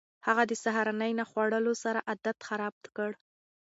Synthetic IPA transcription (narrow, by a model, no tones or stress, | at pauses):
haɣad̪əsaɦaɾɑnəjnaxwaɽəlosaɾaʔad̪at̪xaɾɑb̚t̪kəɽ